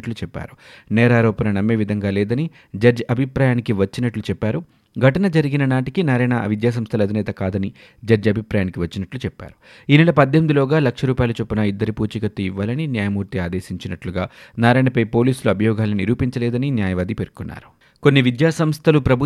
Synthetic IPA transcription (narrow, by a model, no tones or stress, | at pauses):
ʈlut͡ʃɛpːa̰ːɾu̥nɛːɾaːɾɔːpɐnɐnɐmːeːʋid̪ʱɐŋɡaːlɛːd̪ɐni | d͡ʒɐd͡ʒɐɐbʱipɾaːjaːnikiʋɐt͡ʃːinɐʈlut͡ʃɛpːaːɾu | ɡʱɐʈɐnɐd͡ʒɐɾiɡinɐnaːʈikinaɾɐɳɐʋid̪jaːs̬ɐmst̪ʰɐlɐd̪ʱinɛːt̪ɐkaːd̪ɐni | d͡ʒɐɾd͡ʒɐbʱipɾaːjaːnikiʋɐt͡ʃːinɐʈlut͡ʃɛpːa̰ːɾu̥ | iːnɛːɭlɐpɐd̪jemid̪ilɔːɡaːlɐkʂɐɾuːpaːjlut͡ʃopːunɐid̪ːɐɾipuːt͡ʃɐkɐt̪ːuiʋːaːlɐninjaːjɐmuːɾt̪iaːd̪eːsiɲt͡ʃinɐʈluɡaːnaːɾajɳɐpɐjpo̞ːliːsuluɐbʱɐjɔːɡaːlɐniɾuːpiɲt͡ʃɐlɛːd̪ɐninjaːjɐʋaːd̪ipeɾkunːa̰ːɾu̥ | ko̞nːiʋid̪jaːsɐmst̪ʰɐlupɾɐbʱu